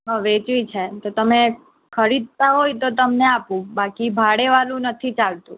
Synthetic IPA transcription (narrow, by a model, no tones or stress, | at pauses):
ɦəʋet͡ʃʋit͡ʃʰet̪ot̪əme | kʰəɾid̪̚t̪aɦojt̪ot̪əmneapũbakibʱaɽeʋalũnət̪ʰit͡ʃalt̪ũ